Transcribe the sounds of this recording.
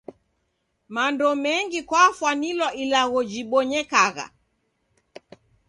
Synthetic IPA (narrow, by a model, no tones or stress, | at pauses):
mandɔmɛŋɡikwafwanilwɔʔilaɣɔd͡ʒiɓɔɲɛkaɣa̰